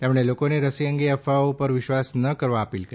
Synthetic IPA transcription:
t̪emɽ̃elokoneɾəsiəŋɡeəfaopəɾʋɪʃʋasnəkəɾʋaəpilkəɾ

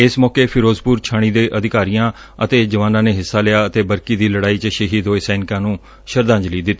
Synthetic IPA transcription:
ɪsmɔːkeːpʰɪɾoːzpuːɾt͡ʃʰaːɽ̃iːd̪eːʔəd̪ɪkaːɾijãː | ət̪eːd͡ʒəʋaːnãːneːɦɪsːaːlɪjaːət̪eːbəɾkiːd̪iːləɽaːiːt͡ʃəʃəɦiːd̪oːesɛːnɪkãːnũː | ʃəɾd̪ãːɲd͡ʒliːd̪ɪt̪ː

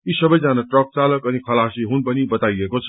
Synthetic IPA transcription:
isʌbʌjd͡zanaʈrʌk̚t͡salʌkʌnikʰʌlasiɦunpʌnibʌt̪ajekot͡sʰ

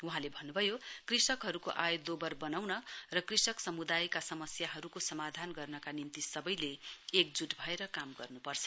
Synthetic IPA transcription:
uɦãlebʱʌnːubʱʌjokrisʌkɦʌɾukoʔajd̪obʌrbʌnawnʌrʌkrisʌksʌmud̪ajkasʌmʌsjaɦʌɾukosʌmad̪ʱanɡʌrnʌkanint̪isʌbʌjleːk̚d͡zuʈbʱʌeɾʌkamɡʌ̰rnupʌrt͡sʰʌ̥

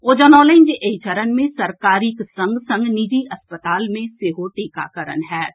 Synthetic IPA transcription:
oːd͡ʒɔːnɔːlẽːnd͡ʒʔeit͡ʃəɾənmẽsɐɾkaːɾiksɐ̃ŋɡsɐ̃ŋɡnɪd͡ʒiʔɐspət̪aːlmẽseːɦoʈeːka̰kəɾə̰nɦɛː

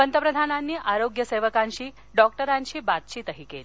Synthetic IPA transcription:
pənt̪əpɾəd̪ʱananːiːʔaɾoɡjəseʋəkãnɕiː | ɖɔk̚ʈəɾanɕiːbat̪t͡ɕit̪əɦikḛl

